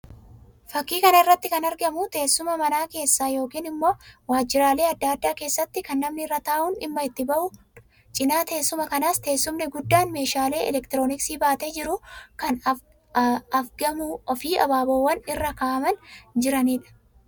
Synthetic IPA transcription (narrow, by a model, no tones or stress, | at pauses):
fɐkːiːkɐnɐɪrːɐt̪ːɪkɐnɐɾɡɐmʊt̪e̞ːsːʊmɐmɐnaːke̞ːsːaːjo̞ːkiːnɪmːo̞ːwaːd͡ʒːɪɾaːle̞ːɐd̪ːaːɐd̪ːaːke̞ːsːɐt̪ːɪkɐnːɐmnɪɪrːɐt̪aːʔʊnɪ̰mːɐɪt̪ːɪbɐʔʊ | t͡ʃʼɪnaːt̪e̞ːsːʊmɐkɐnaːst̪e̞ːsːʊmnɪɡʊd̪ːaːnme̞ːʃaːle̞ːʔɛ̰lɛkt̪ɪɾo̞ːnɪksiːbaːt̪eːd͡ʒɪɾʊkɐn | ɐfɡɐmuɔfiːʔɐ̰baːbowːɐnɪrːɐkaːʔɐmɐnd͡ʒɪɾɐniːᶑɐ̥